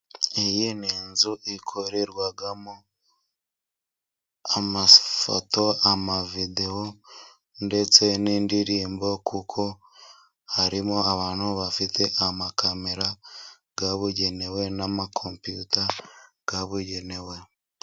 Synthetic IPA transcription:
ejiniːnzuʔikʰoɾeɾɡwaɡamo | amafo̰to̞amavide̞o | nde̞t͡se̞niːndiɾiːmbo̞kʰukʰo̞ | haɾimo̞aβaːn̥huβafite̞ʔamakameɾa | ɡaβuɟe̞ne̞we̞namakʰompjuta | ɡ̥aβuɟe̞ne̞we̞

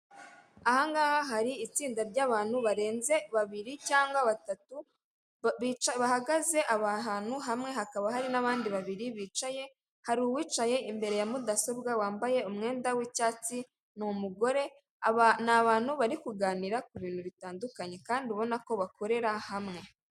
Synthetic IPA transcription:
ahaŋɡahaɦaɾiːt͡siːndaɾɟaːβaːn̥huβaɾe̞ːnze̞βaβiɾicaːŋɡwaβatatu | it͡ʃaβahaɡaze̞ʔaβaɦaːn̥huɦamŋe̞ɦakaβaɦaɾinaβaːndiβaβiɾiβiːt͡ʃaje̞ | haɾuwiːt͡ʃaje̞ʔimbe̞ɾe̞jamudaso̞bɡawaːmbaje̞umŋe̞ːndawicaːt͡si | numuɡo̞ɾe̞ | naβaːn̥huβaɾikuɡaːniɾakuβiːn̥huβitaːndukaɲe̞kaːnduβo̞nako̞βakʰo̞ɾe̞ɾahamŋe̞

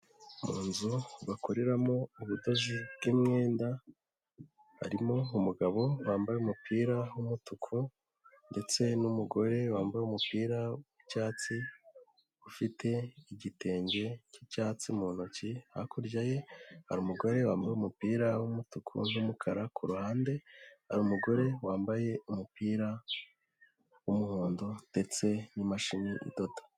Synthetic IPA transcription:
muːnzuβakoɾeɾamo̞uβudo̞ʒubɡimŋeːnda | ha̰ɾimo̞umuɡaβo̞waːmbajeumupʰiːɾawumutukʰu | nde̞t͡se̞numuɡo̞ɾe̞waːmbajeumupiːɾawicaːt͡si | ufitʰe̞iɟite̞ːɲɟe̞cicaːt͡simunociha̰kʰuɾɟaje̞haɾumuɡo̞ɾe̞wa̰ːmbajumupiːɾawumutukʰṵnumukʰaɾakʰuɾuhaːnde̞haɾumuɡo̞ɾe̞waːmbaje̞umupiːɾa | wumuhuːndod̥e̞t͡se̞nimaʃiniʔḭdo̞tḁ

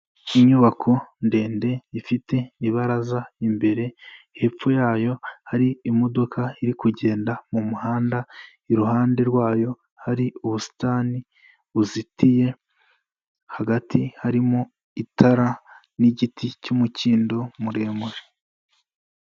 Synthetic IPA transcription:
iɲuβakʰo̞nde̞ːnde̞ifite̞miβaɾazaimbe̞ɾe̞ihe̞p͡fujaːjo̞haɾiːmo̞do̞kʰaiɾikuɟe̞ːndamumuhaːnda | iɾuɦaːnde̞ɾɡwaːjo̞ | haɾiuβusi̥taːni | uzitije̞ | haɡatihaɾimo | itaɾa | niɟitʰicumuciːndo̞muɾe̞ːmuɾe

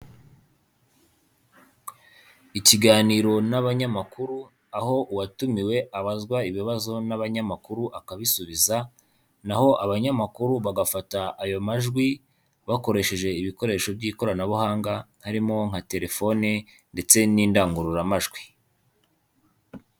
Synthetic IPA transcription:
iciɡaːniɾo̞naβaɲamakuɾu | aho̞ʔuwatumiwe̞ʔaβazɡwaiβiβazo̞naβaɲamakuɾuʔakaβisuβiza | naho̞ʔaβaɲamakuɾuβaɡafataːjo̞maʒɡwi | βako̞ɾe̞ʃe̞ʒe̞iβiko̞ɾe̞ːʃo̞bɟiːko̞ɾanaβuhaːŋɡahaɾimo̞ŋ̥hate̞ɾe̞fo̞ne | nde̞t͡se̞niːndaːŋɡuɾuɾamaʒɡwi

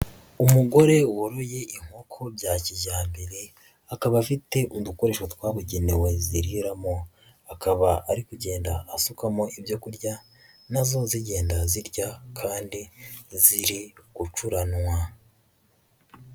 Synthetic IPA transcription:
umuɡo̞ɾe̞woɾo̞je̞ʔiŋ̥ho̞kʰo̞bjaːciʒaːmbe̞ɾe̞ | akaβafite̞ʔuduko̞ɾe̞ːʃotwaːβuɟe̞newe̞ziɾiɾamo̞ | akaβaaɾikuɟe̞ːndaːsukamo̞ʔibjo̞kuɾɟa | nazo̞ziɟe̞ːndaziɾɟakʰaːndiziɾiɡ̥ut͡ʃuɾanŋwa

